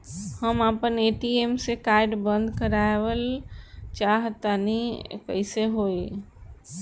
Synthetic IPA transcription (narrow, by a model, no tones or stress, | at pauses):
həmapəneʈiemsekaɪɖbə̃nd̪ʱkəɾaeʋəlt͡ʃaɦt̪anikə̰ɪseɦoi